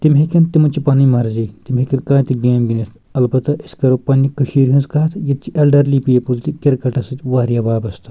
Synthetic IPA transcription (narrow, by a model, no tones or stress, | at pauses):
t̪imɦekʲɐnt̪imɐt͡ʃipaːnimɐɾziːt̪imɦekʲinkãːt̪iɡeːmɡʲinit̪ʰ | ɐlbɐt̪ɐʔiskɐɾopɐːnikɐʃiːɾɦinzkɐɦɐt̪ʰjɐt̪t͡ʃiʔelɖɐɾliːpijepult̪ikʲiɾkɐʈɐsɐt̪ʲʋaːɾjɐbaːbɐst̪ɐ̥